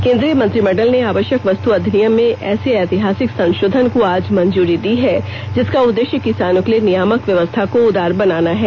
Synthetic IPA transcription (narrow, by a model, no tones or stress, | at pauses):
kẽːnd̪ɾijəmɐ̃nt̪ɾimɛːɖəlneaːʋəʃjəkʋɐst̪uɐd̪ʱnijəmːẽʔɛːseɛːt̪ɪɦaːsɪksɐ̃ŋʃoːd̪ʱənkoaːd͡ʒmɐ̃ɲd͡ʒuːɾid̪iɦɛː | d͡ʒɪskaʊd̪ːeːʃjəkɪsaːnʊklenɪjaːməkʋjɐʋəst̪ʰakoʊd̪ʱaːɾbɐnaːnaɦɛː